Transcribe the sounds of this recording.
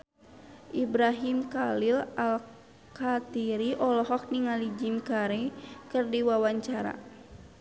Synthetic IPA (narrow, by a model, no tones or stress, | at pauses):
ʔibɾaɦimkalilal | kat̪iɾiʔɔlɔɦɔk̚niŋalid͡ʒinkaɾekɨrdiwawaɲt͡ʃaɾa̰